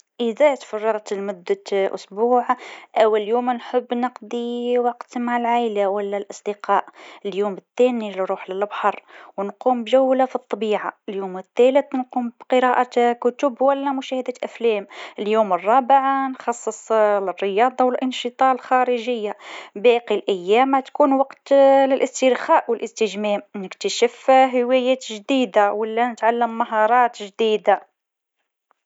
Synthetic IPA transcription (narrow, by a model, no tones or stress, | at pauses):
ʔɪðat̪fɑrˤːɑɾˤt̪mʊd̪ːaʔʊ̰sbuːʕʔæwːaljuːmnħʊbːnɑqd̪ˤiwɑqt̪maʕlʕajlawalːælʔɑsˤd̪ɪqɑːʔəljuːmət̪ːæːnilɾˤuːħlɪlbħɑɾˤwnquːmbʒæwːlafit̪ˤːɑbiːʕaəljuːmɪt̪ːæləθnquːmbqəɾɑːʔakʊt̪ʊbwælːæmʊʃæːhɪd̪æʔæflæːməljumərˤːɑbʕanxɑsˤːəsˤrːəjɑːd̪ˤɑwəlʔənʃɨt̪ˤɑʕəlxɑɾəʒəjːabæqilʔæjːæmʕat̪kunwɑqt̪lɪlʔəst̪iɾxæʔwəlʔəst̪əʒmæmnəkt̪əʃəfɦəwæjæt̪ʒd̪id̪awəlːænət̪ʕalːəmːaɦɑɾˤɑːt̪ʒd̪id̪a